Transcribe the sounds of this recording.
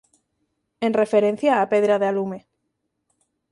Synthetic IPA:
enrefeɾẽn̟θjaːpeðɾaðealume

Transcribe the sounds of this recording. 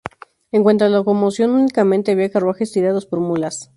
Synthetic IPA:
eŋkwent̪ɾalaoko̞mosjo̞nunikament̪eaβiakarwaxest̪iɾaðospoɾmulas

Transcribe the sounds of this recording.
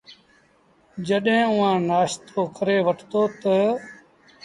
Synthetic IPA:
d͡ʒəɗɦẽːʊːãːnaːʃt̪ʰoːkʰəɾeːʋəʈʰt̪oːt̪ə

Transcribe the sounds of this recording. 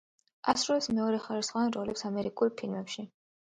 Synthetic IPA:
asɾɔɛsmɛɔɾɛχaɾisχɔvanɾɔlɛpsamɛɾikʼulˠpʰilmɛpʃi

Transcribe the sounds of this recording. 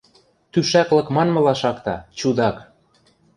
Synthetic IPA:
t̪yʃæklɤ̆kmɑnmɤ̆lɑʃɑkt̪ɑ̰t͡ɕud̪ɑk

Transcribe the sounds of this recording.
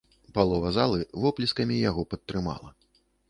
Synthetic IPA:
palˠɔvɐzalˠɨvɔplʲiskɐmʲijaɣɔpɐt̪ːɾɨma̰lˠɐ

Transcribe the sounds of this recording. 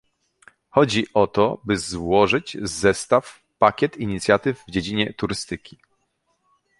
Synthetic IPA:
xɔd͡ʑiʔɔt̪ɔbɘzwɔʐɘd͡ʑzɛst̪af | pakʲɛt̪iɲit̪sʲjat̪ɘvːd͡ʑed͡ʑiɲɛt̪uɾɘst̪ɘkʲi

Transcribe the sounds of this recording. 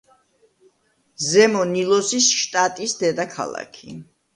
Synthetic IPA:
zɛmɔnilˠɔsisʃt̪ʼat̪ʼisd̪ɛd̪akʰa̰lˠa̰kʰḭ

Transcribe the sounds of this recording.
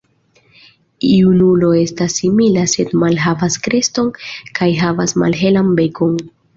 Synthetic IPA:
iunulo̞e̞stasːimilase̞dmalɦavaskɾe̞sto̞nkajɦavasma̰lɦe̞lanbe̞ko̞n

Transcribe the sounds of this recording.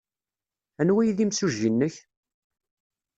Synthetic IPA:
ænwæjðimsuʒinːəç

